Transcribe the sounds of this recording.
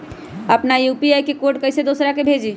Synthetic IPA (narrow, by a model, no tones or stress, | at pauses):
əpnajupiajkekoɾʈkəjsed̪osɾakebʱed͡ʒi